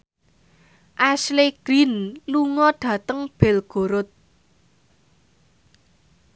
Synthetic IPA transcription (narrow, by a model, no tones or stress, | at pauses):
ʔasleɡ̥ɾinluŋɔɖ̥ä̤t̪əŋb̥ɛ̤lɡ̥o̤ɾʊt̪̚